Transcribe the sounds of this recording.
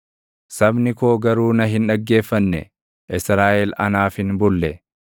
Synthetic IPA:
sɐbnɪkoːɡɐɾuːnɐɦɪnᶑɐɡːe̞ːfːɐnːɛ̰ | ʔɪsɾaːʔɛlɐ̰naːfɪnbʊlːɛ

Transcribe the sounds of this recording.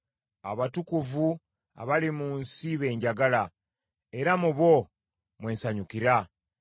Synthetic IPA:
a̰βatukuvu | a̰βalimuːnsiβe̞ːɲɟaɡala | e̞ɾamuβo̞ | mwe̞ːnsaɲukiɾa

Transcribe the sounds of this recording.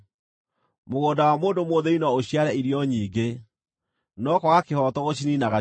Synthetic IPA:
moɣoːdawamoːndomoðeinɔoɕiaɾɛiɾjɔɲiːɡe | nɔkwɔɣakehɔtɔɣoɕininaɣa

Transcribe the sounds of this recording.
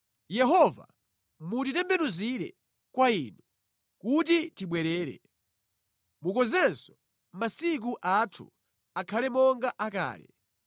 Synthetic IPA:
jɛɦɔva̰ | mutitɛmbɛnuziɾɛ̰ | kwaiːnu | kut̬itiɓwɛɾɛːɾɛ̰ | mukɔzɛnsɔ̥ | masik̬uʔatʰṵ | akʰalɛmɔŋɡaʔaka̰ːlɛ̰

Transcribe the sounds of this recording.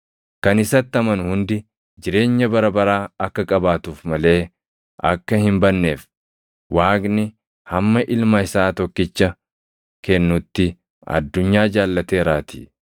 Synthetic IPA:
kɐnɪsɐt̪ːɐmɐnhʊnd̪ɪ | d͡ʒɪɾe̞ːɲːɐbɐɾɐbɐɾaːɐkːɐkʼɐbaːt̪uːfmɐle̞ː | ʔɐ̰kːɐhɪmbɐnːe̞ːf | waːknɪ | hɐmːɐʔɪlmɐɪsaːt̪ɔkːɪt͡ʃːɐ | kɛnːʊt̪ːɪ | ʔɐ̰d̪ːʊɲːaːd͡ʒaːlːɐt̪e̞ːɾaːt̪i̥̰

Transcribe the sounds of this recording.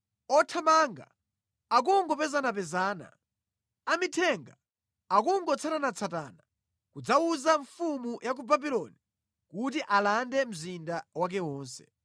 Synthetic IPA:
ɔtʰamaŋɡa̰ | ak̬uŋɡɔpɛzanapɛzaːna̰ | amitʰɛŋɡa | ak̬uŋɡɔt͡sʰatanat͡sʰata̰na | kud͡zawuzaɱfumujak̬ubabilɔni | kut̬iʔalandɛm̩zindawak̬ɛwɔːnsɛ̥̰

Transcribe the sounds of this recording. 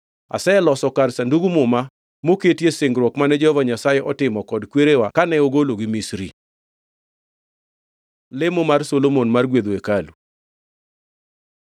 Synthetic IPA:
a̰sɛlɔsɔkarsanduɡumʊma | moketjesɪŋɡɾwɔkmanɛd͡ʒɛhɔvaɲasajɛʔɔtɪmɔkɔdkweɾewakanɛoɡoloɡimisɾḭ | lɪmomarsolomonmarɡwed̪oekalu

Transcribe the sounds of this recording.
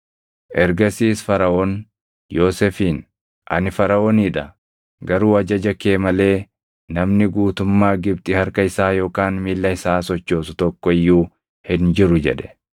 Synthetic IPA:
ʔɛɾɡɐsiːsfɐɾɐʔoːn | joːsɛfiːn | ʔɐ̰nɪfɐɾɐoːniːᶑɐ | ɡɐɾuːɐd͡ʒɐd͡ʒɐke̞ːmɐle̞ː | nɐmnɪɡuːt̪ʊmːaːɡɪbt̪ʼɪhɐɾkɐɪsaːjo̞ːkaːnmiːlːɐɪsaːsɔt͡ʃːo̞ːsʊt̪ɔkːɔɪjːuː | hɪnd͡ʒɪɾʊd͡ʒɛ̰ᶑɛ̥

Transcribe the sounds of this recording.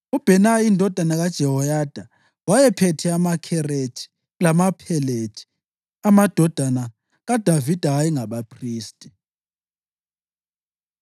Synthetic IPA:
ub̥ʱɛnaindʱɔd̥ʱanaɣad̥ʒ̥ʱɛhɔjad̥ʱa | wajɛpʰɛtʰɛamakʰɛre̥t͡ʃʰʼi̥ | lamapʰɛle̥t͡ʃʰʼi̥ | amad̥ʱɔd̥ʱana | ɣad̥ʱavid̥ʱaːjɛŋaβapʰriːstʼi̥

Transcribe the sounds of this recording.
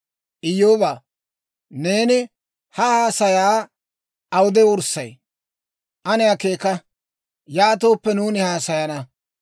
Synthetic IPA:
ʔɪjoːbaː | ne̞ːnɪ | hɐhaːsɐjaː | ɐwʊd̪ɛʊɾsɐj | ʔɐnɪjake̞ːkɐ | jaːt̪̬o̞ːpːɛnuːnɪhaːsɐjɐnɐ

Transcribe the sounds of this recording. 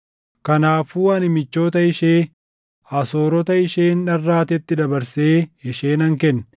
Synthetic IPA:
kɐnaːfuːɐnɪmɪt͡ʃːo̞ːt̪ɐɪʃeː | ɐso̞ːɾɔt̪ɐɪʃeːnːɐrːaːt̪ɛt̪ːɪd̪ɐbɐɾseːɪʃeːnɐŋkɛnː

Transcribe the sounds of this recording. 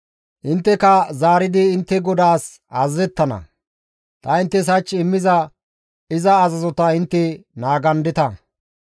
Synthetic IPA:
ʔɪnt̪ːɛkɐzaːɾɪd̪ɪːnt̪ːɛɡɔd̪aːs | azzɛt̪ːɐnɐ̰ | t̪ɐɪnt̪ːɛs̬ɐt͡ʃːɪmːɪzɐ | ɪzɐːzɐzɔt̪ɐɪnt̪ːɛnaːɡɐnd̪ɪt̪ɐ

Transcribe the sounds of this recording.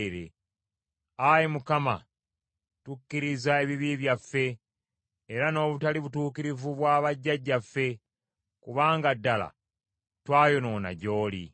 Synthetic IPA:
ɾḛ | ajimukama̰ | tucːiɾizae̞βiβiβjafːe̞ | eɾano̞ːβutaliβutuːkiɾivuβwaːβaɟːaɟːafːe̞ | kuβaːŋɡadːala̰ | twaːjo̞no̞ːna̰ɟo̞ːlḭ

